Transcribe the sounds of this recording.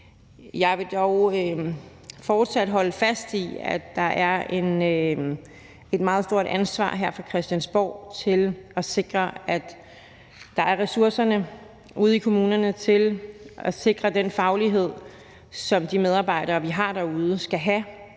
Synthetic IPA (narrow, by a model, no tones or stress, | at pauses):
jɑ̈ɪʋe̝d̥ɒʊø | fɒːd̥sæd̥ɦɒ̽ləfæsd̥iæ̥ɑ̈ʔæɐe̝n | e̝d̥mɑ̈ːð̞̩ˠsd̥o̝ɐ̰ɾænsʋɑ̰̈ːɦeɐ̰fʁɑ̈kʰʁɛsd̥jænsb̥ɒ̰ʊ̰t͡sʰe̝lɒse̝ɡ̥ʁɐæd̥ː | ɑ̈æɐʁɛsuɐsɐnə | ʔuð̞ˠikʰo̝muːnɐnət͡sʰe̝lɒse̝ɡ̥ʁɐd̥enfɑ̈ʊliɦe̝ð̞̰ˠ | sɒ̽md̥imeð̞ˠɑ̈ːb̥ɑ̈ɪ̰ɾɐːʋiɦɑ̈d̥æ̈uːð̞ˠəsɡ̥æɦæ